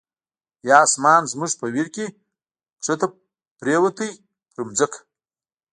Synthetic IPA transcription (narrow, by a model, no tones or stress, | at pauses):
jɑːsmɑːnzmuʐpəwiɾkʲe | ʂɐt̪a | pɾeːwɐt̪əj | pɾumd͡zɐkʰ